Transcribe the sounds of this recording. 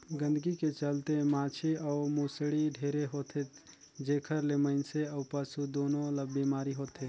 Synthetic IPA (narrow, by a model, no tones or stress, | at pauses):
ɡə̃nd̪ɡiket͡ʃəlt̪emãːt͡ʃʰiɔːmusɽiɖʱeɾeɦoːt̪ʰe | d͡ʒekʰəɾleməɪnseəːpasud̪oːnõləbbːimaːɾiɦoːt̪e